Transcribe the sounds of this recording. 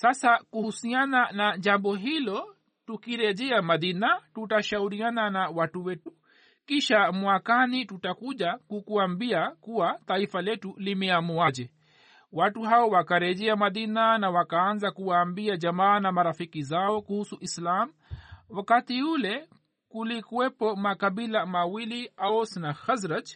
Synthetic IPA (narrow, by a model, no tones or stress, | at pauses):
sasakuusiananaʄambɔɦilɔ | tukiɾɛʄɛamaðinatutaʃauɾiananawatuwɛtu | kiʃamwakanitutakuʄakukuambiakuwat̪aifalɛtulimɛamuad͡ʒɛ | watuɦaɔwakaɾɛʄɛamaðinanawakaanzakuwaːmbiaʄamaːnamaɾafikizaɔkuhusuʔislam | wakatiulɛ | kulikuwɛpɔmakaɓilamawiliaɔsnaxazɾat